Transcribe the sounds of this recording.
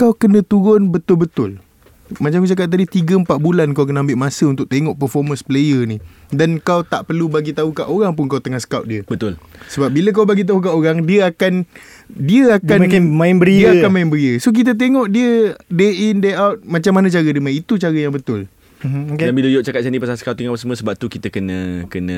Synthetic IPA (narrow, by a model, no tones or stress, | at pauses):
kawkənə̃t̪uɾʊnbət̪ʊlbət̪ʊl | mat͡ʃamkut͡ʃak̬at̪̚t̪ːadit̪iɡəəmpaʔ̪̚bulankawkənaambɪʔmãsəunt̪ʊʔ̚t̪eŋɔʔpərfɔmə̃nsplejənidankawt̪a̰ʔpərlubaɡit̪aukaʔoɾaŋp̬ʊnkawt̪əŋahsə̥kawt̪̚diəbət̪ʊlsəbap̚biləkawbaɡit̪̬aɦuk̬aʔoɾaŋdiəakan | diəaakmãɪnbəɾidiəakanmaɪnbəɾiəsok̬it̪̬ət̪̬eŋɔʔdiədeʔindeawt̪̚mat͡ʃamːanãt͡ʃaɾədimaĩit̪ut͡ʃaɾəjaŋbət̪ʊl | kdanbiləjɔʔ̚t͡ʃakat̪̚t͡ʃandipasasəkawt̪iŋapəsəməsəbap̚t̪ukit̪əkənə̃kənə